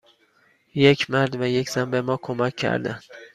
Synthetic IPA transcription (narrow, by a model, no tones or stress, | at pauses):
je̞cʰmæɾd̪væjecʰʲz̥ænbe̞mɒːkʰomæcʲʰːæ̰ɾd̪ænd̪̥